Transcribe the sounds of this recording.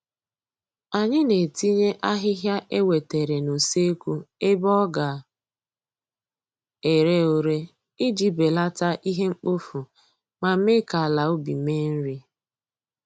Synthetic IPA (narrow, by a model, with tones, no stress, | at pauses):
a˨ɲɪ˦ne˨ti˦ɲe˦ʔa˦ɦɪ˦ɦja˦ʔe˦we˨te˨ɾe˨no˨se˦kʷu˦e˦bɔ˦ɡa˨ | e˨ɾe˦o˨ɾe˦ | ɪ˦d͡ʒi˨be˨la˦ta˦ʔi˦ɦe˦ŋ͡m̩˦k͡po˦fu˨ | ma˨˦me˦ka˨la˨o˦bi˨me˦n̩˦ɾi˦